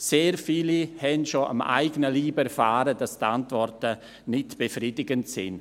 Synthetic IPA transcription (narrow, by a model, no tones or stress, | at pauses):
seːɾfiːlihɛnʃoʔa̰ma̰ɪɡənəliːbɛɾfaːɾəd̥astantvɔrtə | nɪtb̥əfriːdɪɡəntsɪ̰n